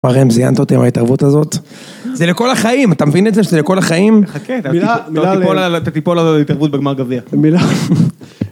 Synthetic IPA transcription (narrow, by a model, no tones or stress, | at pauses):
aʁemzija̰nt̪aot̪ḭmhaitaʁvut̪azo̞t̪ | zeleko̞laχaimat̪amevinezeʃezeleko̞laχaimaket̪at̪ipolat̪at̪ipo̞lazotlait̪aʁvut̪̚beɡmaʁɡaviamila